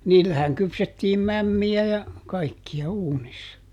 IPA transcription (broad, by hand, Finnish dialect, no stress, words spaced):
niːlːæhæŋ kypsetːiːm mæmːiæ jɑ kɑikːiɑ uːnisːɑ